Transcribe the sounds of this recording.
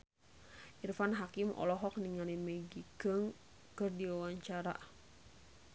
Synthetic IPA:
ʔirfanɦakimɔ̰lɔɦɔk̚niŋalimɛɡikəŋ | kɨrdiwawaɲt͡ʃaɾa̰

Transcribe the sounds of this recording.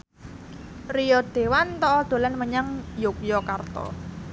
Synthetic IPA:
rijɔd̪̥e̤want̪ɔʔːd̪̥o̤lanməɲaŋjok̚jɔkart̪ɔ̰

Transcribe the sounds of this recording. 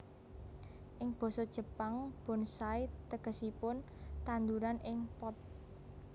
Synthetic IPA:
ʔɪŋb̥ɔ̤sɔd̥ʒ̥ə̤paŋb̥ɔ̤nsait̪əɡ̥ə̤sipʊn | t̪and̪uɾanʔɪŋpɔt̪̚

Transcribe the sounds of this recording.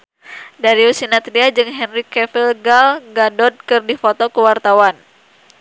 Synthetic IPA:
daɾiusinat̪ɾiad͡ʒɨŋɦɛnrikɛfilɡalɡadɔd̚kɨrdifɔt̪ɔkəwart̪awan

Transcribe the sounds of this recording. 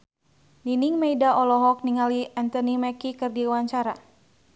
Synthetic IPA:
niniŋmeidaʔɔlɔɦɔk̚niŋaliant̪ɔnimɛkikɨrdiwaɲt͡ʃaɾa̰

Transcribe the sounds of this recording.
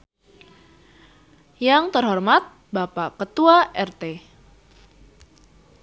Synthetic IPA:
jaŋt̪ərɦɔrmat̪̚ | bapakət̪uaʔɛrt̪e

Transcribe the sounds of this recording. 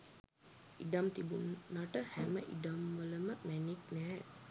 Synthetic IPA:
ḭɖamt̪ibunːaʈəhæməʔḭɖamʋələməmæniknɛɦɛ

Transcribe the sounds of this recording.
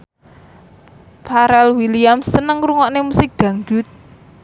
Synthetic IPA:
pʰaɾɛlwiliamsːənəŋɾuŋɔʔnemusɪk̚d̪̥ä̤ŋɡṳt̪̚

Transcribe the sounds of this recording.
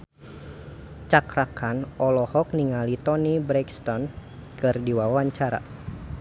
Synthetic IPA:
t͡ʃakɾakanɔlɔhɔk̚niŋalit̪ɔnibɾɛkst̪ɔnkɨrdiwawaɲt͡ʃaɾa̰

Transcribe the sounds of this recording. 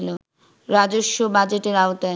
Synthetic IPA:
lo | ɾad͡ʑoʃːobad͡ʑeʈeɾaot̪a

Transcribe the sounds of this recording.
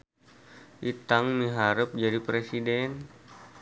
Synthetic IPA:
ʔit̪aŋmiɦaɾəp̚d͡ʒadipɾesidɛn

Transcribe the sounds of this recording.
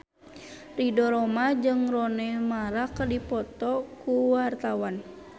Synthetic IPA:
ridɔɾɔmad͡ʒɨŋrɔnɛmaɾakərdipɔt̪ɔkuwart̪awan

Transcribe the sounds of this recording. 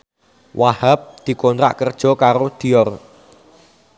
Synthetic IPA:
wahəp̚d̪̥i̤kɔnt̪ɾa̰ʔkərd̥ʒ̥ɔ̤kaɾod̪̥i̤ɔr

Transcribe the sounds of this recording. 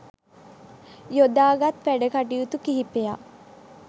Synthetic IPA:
jod̪aːɡat̪ʋæɖəkaʈiut̪ukiɦipeja

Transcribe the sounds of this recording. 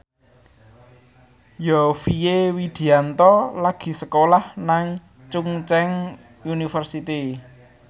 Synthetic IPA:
jɔfijewid̪̥i̤ant̪ɔlaɡ̥i̤səkolahnaŋ | t͡ʃuŋt͡ʃɛŋ | unifərsit̪i

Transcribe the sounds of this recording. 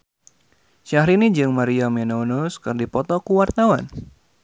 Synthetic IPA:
ʃaɦɾinid͡ʒɨŋmaɾiamɛnonuskɨrdipɔt̪ɔkuwart̪awan

